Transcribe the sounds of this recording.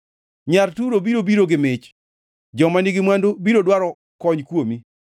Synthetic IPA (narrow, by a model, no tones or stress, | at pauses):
ɲartuɾobiɾobiɾoɡɪmɪt͡ʃ | d͡ʒɔmaniɡɪmwandobiɾodwaɾɔ | kɔɲkwomi